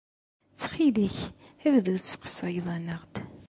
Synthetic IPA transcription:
t͡sːχiliç | ævðut͡sːqə̥sˤɑjðˤænəʁd̪

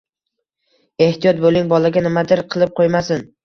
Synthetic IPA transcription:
e̞ht̪ijɒt̪̚bolˠɪŋbɒlaɡʲanɪmad̪ɪɾqʰɨlˠɪp̚qʰojmasɪn

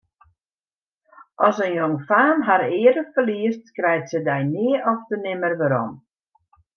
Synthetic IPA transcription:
ʔɔsənjɔŋfaːnɦaɾɪːədəfəliəstkrɛjtsədɛjnɪəʔɔfdənɪmərʋaɾɔ̰m

